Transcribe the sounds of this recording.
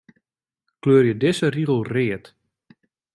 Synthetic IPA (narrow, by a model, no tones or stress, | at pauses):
kløːərjədɪsəriɣəl̩ˠrɪːət